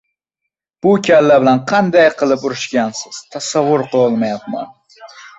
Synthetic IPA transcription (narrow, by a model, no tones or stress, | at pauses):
b̥ʊkʲʰalːabɪlanqʰɑnd̪ajqʰɨlˠɪpʊɾɪʃkʲansɪz̥t̪ʰasavːʊɾqʰolˠmajat̪ma̰n